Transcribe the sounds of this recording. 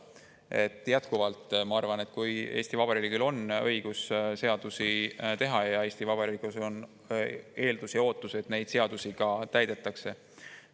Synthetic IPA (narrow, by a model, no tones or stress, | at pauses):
e̞̰t̪ːˑjæt̪kuvɑlt̪ˑmɑɑrvɑne̞t̪ˑkuje̞ːsʲt̪ivɑb̥ɑɾiliɡilo̞nɤ̞jɡ̥usse̞ɑd̪̥usit̪e̞ɦɑjɑe̞ːst̪ivɑbɑɾiliɡ̥uso̞n | e̞ːld̪usjɑo̞ːt̪ˑːuse̞t̪ne̞jd̪̥se̞ɑd̪̥usiɡɑt̪æjd̪̥e̞t̪ːˑɑkse̞